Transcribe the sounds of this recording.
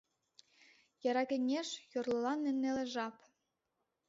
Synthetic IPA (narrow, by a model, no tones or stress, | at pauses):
jɑɾɑkĕnʲeʃjorlɤ̆lɑnːĕnːelĕʒɑp